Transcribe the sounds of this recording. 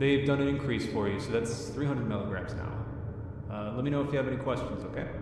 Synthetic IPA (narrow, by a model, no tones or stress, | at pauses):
ðeɪvdʌ̃nɨ̃nɨ̃nkʰɹ̥isfɔ˞jɨsoʊðætsθɹiɦʌ̃ndɹəd̚mɪlˠəɡɹæ̰̃mz̥na̰ʊ | ʌlɛt̚minoʊɨfjɨːvɛñikʰw̥ɛst͡ʃɨ̃n̩zoʊkʰeɪ